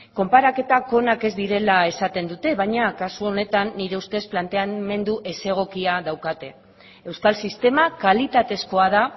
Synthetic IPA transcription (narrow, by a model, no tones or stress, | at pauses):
ko̞mpaɾake̞t̪ako̞nake̞zd̪iɾe̞lae̞sat̪e̞nd̪ut̪e̞βajɲakasuo̞ne̞t̪anːiɾe̞ust̪e̞splant̪e̞ame̞nd̪uʔe̞se̞ɣ̞o̞kiaðawkat̪e̞ | e̞wskalsist̪e̞makalit̪at̪e̞sko̞að̞a